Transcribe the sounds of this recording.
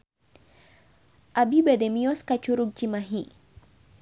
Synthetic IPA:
ʔabibademijɔskat͡ʃuɾuk̚d͡ʒimaɦi

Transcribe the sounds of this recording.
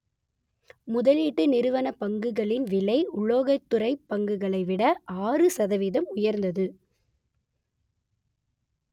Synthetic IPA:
mʊðɐliːʈːɯnɪɾɯʋɐnɐpɐŋɡɯɣɐɭɪnʋɪlɐɪʊɭːoːɣɐt̪ːʊɾɐɪpːɐŋɡɯɣɐɭɐɪʋɪɽɐʔaːrɯsɐðɐʋiðɐmʊjɐɾnd̪ɐðɯ

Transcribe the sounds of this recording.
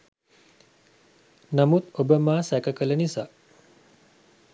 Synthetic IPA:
namut̪obəmaːsækəkələnisa

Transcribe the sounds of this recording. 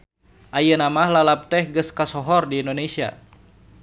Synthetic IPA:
ʔajənamahlalap̚t̪ɛhɡəskasɔɦɔrdiindonesia̰

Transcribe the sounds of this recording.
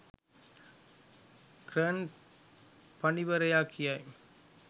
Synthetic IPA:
kɾɐn | pɐnɪʋɐɾɐjaːkʰːɪjaj

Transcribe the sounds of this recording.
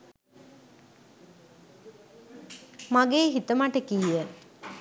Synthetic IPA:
maɡeːɦit̪əmaʈəkijə

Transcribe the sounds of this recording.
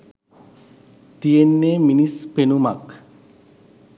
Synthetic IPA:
t̪ijenːeminispenumak

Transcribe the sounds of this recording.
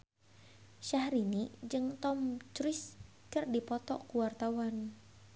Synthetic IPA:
ʃahɾinid͡ʒɨŋt̪ɔmt͡ʃɾɪs | kɨrdipɔt̪ɔ̰kuwart̪awan

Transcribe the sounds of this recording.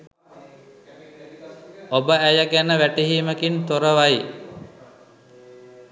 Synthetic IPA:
obəæjəɡænəʋæʈiɦiːməkint̪oɾəʋaji

